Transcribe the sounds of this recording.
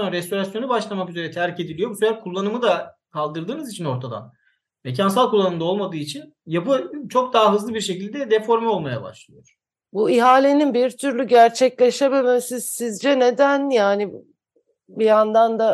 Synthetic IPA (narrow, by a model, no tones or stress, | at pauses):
aaɾɛst̪ʰo̞ɾasjo̞nubaʃlˠamakyze̞ɾɛt̪ʰæɾice̞d̪ilʲijo̞busylʲæɾkʰulˠːanɯmɯd̪a | kʰalˠd̪ɯɾd̪ɯːnɯzit͡ʃʰino̞ɾt̪ʰad̪a̰n | me̞c̬ʰansalˠkʰulˠːanɯmd̪ao̞lˠmad̪ɯːit͡ʃʰin | japɯt͡ʃʰo̞k̚d̪aɦaɦɯzlˠɯbiɾʃe̞cilʲd̪ɛd̪ɛfo̞ɾmɛo̞lˠmaja̰ba̰ʃlˠɯjoɾ̥ | buiɦaːlʲe̞ninbiɾt̪ʰyɾlʲyɟæɾt͡ʃʰɛclʲe̞ʃebemɛmsiz̥sizd͡ʒɛne̞d̪ænjaːni | bijand̪and̪a